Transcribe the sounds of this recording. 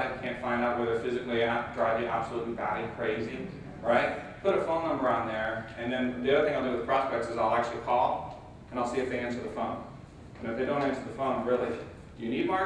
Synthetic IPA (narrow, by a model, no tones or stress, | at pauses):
ɪɨkʰæ̃ntfãɪ̃ndaʊt̚wɛðə˞fɪzɨklidɹaɪvðiʔæ̰b̥səlutˡlibæɾikʰɹ̥eɪzi | ɹaɪt̚ | pʰʊɾɨfõʊ̃nə̃mə˞ãʊ̃nðə˞ɨ̃nðɨ̃nðiʌðə˞θɪ̃ŋaɪlˠdɨwɨð̥pʰɹ̥ɑspɛk̚tsɨzaɪlˠak̚t͡ʃʉl̩ˠikʰɔlˠ | ɨ̃ñaɪlˠsiɨfθðeɪɛ̃nsə˞ðəfõʊ̃n | ɨ̃nɨfðeɪdõʊ̃ntɨ̃nsə˞ðəfõʊ̃nɹɪlˠi | d̥ɨjɨnid̚mɑ